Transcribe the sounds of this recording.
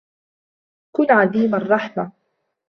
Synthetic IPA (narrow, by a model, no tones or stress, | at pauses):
kʊnʕaðiːmarˤːɑħma